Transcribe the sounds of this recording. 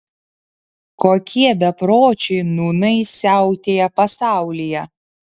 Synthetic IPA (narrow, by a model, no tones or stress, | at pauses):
koːkʲiɛbʲɛpɾoːt͡ʃʲɛɪnuːnɐɪsʲæˑʊt̪ʲeːjɛpɐsɑˑʊlʲijɛ